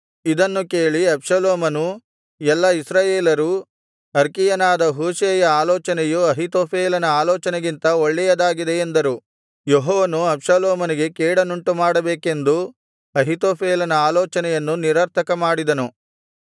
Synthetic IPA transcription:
id̪ɐnːuke̞ːɭiɐpʂɐloːmɐnu | ɛlːɐisɾaːjeːlɐɾu | ɐɾkijɐnaːd̪ɐɦuːseːjɐaːlɔːt͡ʃɐnɛjuɐɦit̪oːpʰeːlɐnɐaːlɔːt͡ʃɐneɡint̪ɐoɭːɛjɐd̪aːɡid̪e̞ːnd̪ɐɾu | joɦɔːʋɐnuɐpʂɐloːmɐniɡe̞kɛːɽɐnuɳʈumaːɽɐbeːke̞nd̪u | ɐɦit̪oːpʰeːlɐnɐaːlɔːt͡ʃɐnɛjɐnːuniɾɐɾt̪ʰɐkɐmaːɽid̪ɐnu

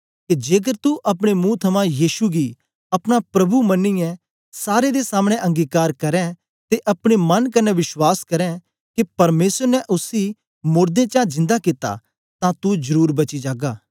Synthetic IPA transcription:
kid͡ʒeːk̬əɾt̪uʔɐp̬ɽ̃emũt̪ʰɐmãjiːʃuɡi | ɐpɽ̃apɾɐbumɐnːijɛ̃ | saːɾed̪esaːmɽ̃ẽʔɐ̃ŋɡiːkaːɾkɐɾɛ̃ | t̪eʔɐpɽ̃emɐnkɐnɛʋɪʃwaːskɐɾɛ̃ | kipɐɾmeːsəɾnɛʔʊsi | mʊːɾd̪ẽt͡ʃãd͡ʒɪ̃nd̪akɪt̪a̰ | t̪ãt̪ud͡ʒɐɾuːɾbɐt͡ʃid͡ʒaːɡaː

